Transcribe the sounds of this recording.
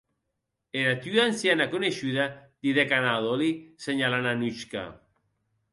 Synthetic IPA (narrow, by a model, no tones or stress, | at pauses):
eɾat̪yansjanakoneʃyðad̪̥iðekanaðoliseɲalananyt͡ʃka̰